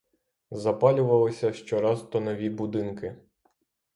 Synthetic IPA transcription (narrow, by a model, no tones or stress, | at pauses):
zɐpɑlʲʊʋɐlˠɪsʲɐʃt͡ʃɔɾɑzt̪ɔnɔʋʲibʊd̪ɪnkɪ